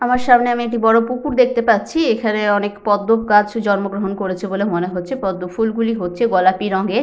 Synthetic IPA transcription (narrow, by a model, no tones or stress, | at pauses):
amaɾʃamneamiek̚ʈibɔɽopukuɾd̪ek̚ʰt̪epatːt͡ɕʰiekʰaneɔnekpɔd̪ːob̚kat͡ɕd͡ʑɔnmoɡɾoɦonkoɾet͡ɕʰebolemoneɦotːɕʰepɔd̪ːofulɡuliɦotːɕʰeɡɔlapiɾɔŋɡe